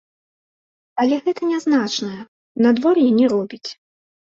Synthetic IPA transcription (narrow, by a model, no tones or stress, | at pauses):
ɐlʲɛɣɛt̪ɐnʲaznat͡ʂnɐjɐ | nad̪vɔrjɛnʲɛɾɔbʲit͡sʲ